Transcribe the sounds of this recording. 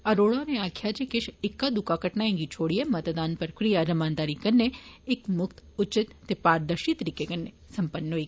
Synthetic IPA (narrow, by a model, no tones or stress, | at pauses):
ɐɾoːɭõneaːkʰjat͡ʃekɪʃɪkːad̪ʊkakɐʈnaẽŋɡit͡ʃʰoːɽiemɐt̪d̪aːnpəɾkɾijaɾɐmaːnd̪aːɾikɐnːeɪkmʊkt̪ʊt͡ʃɪt̪ːepaːɾd̪əʃit̪əɾikekɐnːe | sɐmpənːoi